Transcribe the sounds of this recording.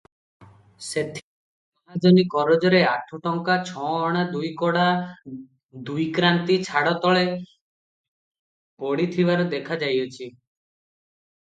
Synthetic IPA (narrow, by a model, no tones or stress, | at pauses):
set̪ʰi̥ | aɦad͡ʒɔnikɔɾɔd͡ʒɔɾeaʈʰuʈɔŋkat͡ʃʰɔ̃ːɽ̃ad̪ujkɔɽa | d̪ujkɾant̪it͡ʃʰaɽɔt̪ɔɭe | pɔɽit̪ʰibaɾud̪ekʰad͡ʒajɔt͡ʃʰi